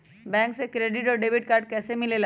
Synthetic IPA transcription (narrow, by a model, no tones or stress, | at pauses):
bɛ̃ŋksekɾeɖiʈɔɖebiʈ̚kaɾɖkɛsemilela